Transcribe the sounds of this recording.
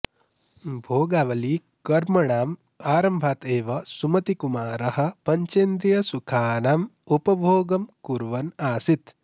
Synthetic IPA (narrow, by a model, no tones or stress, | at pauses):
bʱoːɡaːʋɐli | kɐɾmɐɳaːm | aːɾɐmbʱaːt̪eːʋɐsumɐt̪ikumaːɾɐɦɐ̆pɐɲt͡ʃeːnd̪ɾijɐsukʰaːnaːmupɐbʱoːɡɐmkuɾʋɐnaːsit̪